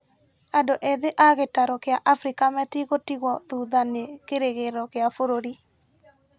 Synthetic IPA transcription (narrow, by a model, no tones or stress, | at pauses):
adɔʔeðeʔaɣetaɾɔkɪjaʔafɾikamɛt̪iɣotiɣɔðuðanekeɾeɣeɾɔkɪafoɾoɾi